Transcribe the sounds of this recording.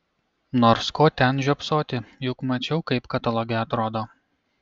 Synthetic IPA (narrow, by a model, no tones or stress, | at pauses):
noːɾskoːt̪ʲɛnʒʲuɔpsoːt̪ʲɪjʊkmɐt͡ʃʲɛʊkɐɪpkɐt̪ɐlˠoːɡʲɛɐt̪ɾoːd̪oː